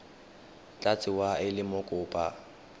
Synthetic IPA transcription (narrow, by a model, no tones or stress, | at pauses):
t͡ɬʼat͡sʼɪwaɪlɪmʊkʼʊːpʼa